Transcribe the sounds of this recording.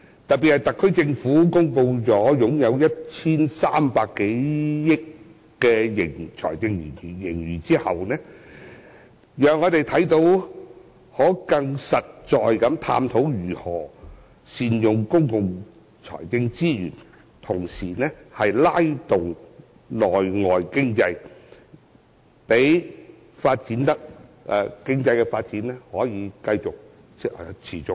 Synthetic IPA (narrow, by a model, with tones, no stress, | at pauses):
t̪ɐ˨t̚pi˨t̚hɐ˨jt̪ɐ˨˩kʰːɵ˥ɥt͡sɪ˧ŋfuː˨˥kʊ˥ŋpo˧wt͡sɔː˨˥jʊ˨˥ŋjɐ˨˧wjɐ˥t̚t͡sʰiː˥nsaː˥mpaː˧kːe˨˥jjɪ˥kː | ɛː˧jɪ˨˩ŋt͡sʰɔ̰ː˨˩jt͡sɪ˧ŋjy̰ː˨˩nː˨˩jɪ˨˩ŋjyː˨˩t͡siː˥hɐ˨wnɛː˥ | jœː˨ŋɔː˨˧t̪e˨jt̪ʰɐ˨˥jt̪o˨˧w | hɔː˨˥kɐ˧ŋsɐ˨t̚t͡ʃɔː˨jkɐ˨˧˥mt̪ʰa̰ː˧mt̪ʰo˨˥wjyː˨˩hɔː˨˩ | siː˧njʊ˨ŋkʊ˥ŋkʊ˨ŋ | t͡sʰɔ̰ː˨˩jt͡sɪ˧ŋt͡siː˥jy̰ː˨˩n | t̪ʰʊ˨˩ŋsiː˨˩nɛː˥hɐ˨jlaː˥jt̪ʊ˨ŋ | lɔː˨˩jŋɔː˨jkɪ˥ŋt͡sɐ˧j | pe˨˥j | faː˧t̚t͡siː˨˥nt̪ɐ˥k̚ʔɛ˨˧kɪ˥ŋt͡sɐ˧jkɛː˧faː˧t̚t͡siː˨˥nɛː˥hɔː˨˥jiː˨˧kɐ˧jt͡sʊ˨k̚ː | t͡sʰiː˨˩t͡sʊ˨˧k̚